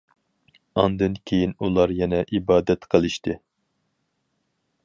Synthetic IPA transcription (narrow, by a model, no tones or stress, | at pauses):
ɑnd̪ɨnkʲʰejinulˠɑɾjɛnɛʔibɑːd̪ɛt̪qʰəlˠɨʃt̪ʰɨ